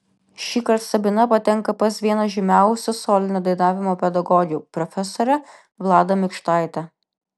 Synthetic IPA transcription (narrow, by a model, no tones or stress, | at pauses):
ʃʲiːkɐɾt̪sɐbʲɪnɐpɐt̪ʲɛŋkɐpɐsʋʲiɛnɐʒʲɪmʲæˑʊsʲɛsɔːlʲɪnʲod̪ɐɪnɑːʋʲɪmoːpʲɛd̪ɐɡɔɡʲjuːpɾɔfʲɛsoːɾʲɛ | ʋlˠɑːd̪ɐmʲɪkʃt̪ɑˑɪt̪ʲɛ